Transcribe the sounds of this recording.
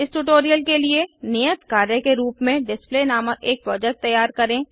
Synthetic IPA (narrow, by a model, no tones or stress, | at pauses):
ɪsʈuʈoːɾijəlkelienejət̪kaːɾjəkeɾuːpmẽɖɪspleːnaːməeːk̚pɾɔːd͡ʒɛk̚ʈ̚t̪ɐjːaːɾkɐɾẽː